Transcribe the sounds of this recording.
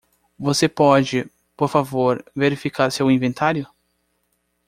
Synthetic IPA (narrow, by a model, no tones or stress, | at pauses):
vosepɔd͡ʒɪ | poɾfavoɾveɾifikaɾsewĩvẽnt̪ʰaɾjʊ